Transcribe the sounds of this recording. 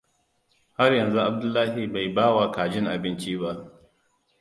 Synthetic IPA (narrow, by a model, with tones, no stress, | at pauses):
ha˦rjɐ˨nzu˦ʔa˨b̚dʊ˦lːaː˦hi˨ba˨jbaː˦wa˦kaː˨d͡ʒɪ˦ŋʔa̰˨bɪ˦nt͡ʃi˦ba˦ʔ